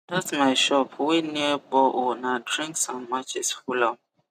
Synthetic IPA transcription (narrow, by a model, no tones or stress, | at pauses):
datsmaɪʃɔpʰwiniəbɔʔɔnadɹĩŋksɔ̃mːat͡ʃɪsfulam